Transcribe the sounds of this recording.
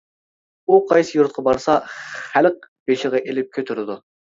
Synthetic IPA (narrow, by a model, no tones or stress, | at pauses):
uqʰɑjsɨjuɾt̪̚qʰɑbɑɾsɑχælq̚b̥eʃɪʁɑʔelɪp̚kʲʰøt̪ʰyɾɪd̪u